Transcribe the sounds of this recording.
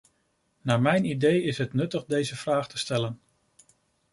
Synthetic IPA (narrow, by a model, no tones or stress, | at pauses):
naːɹmɛjnidejɪsɦətnɵtəχdejzəv̥raːχtəstɛlən